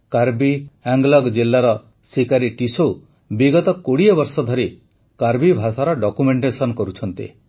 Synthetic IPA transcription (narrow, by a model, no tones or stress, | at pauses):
kaɾbiaŋɡlɔɡd͡ʒilːaɾɔ | sikaɾiʈiso | biɡɔt̪ɔkoɽiɔbɔɾsɔd̪ʱɔɾi | kaɾbibʱasaɾɔɖɔkumeɳʈesɔnɔkɔɾut͡ʃʰɔnt̪ḭ